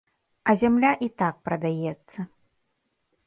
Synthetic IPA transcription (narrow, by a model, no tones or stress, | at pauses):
ɐzʲamlʲaʔit̪ak̚pɾɐd̪ajɛt̪sːɐ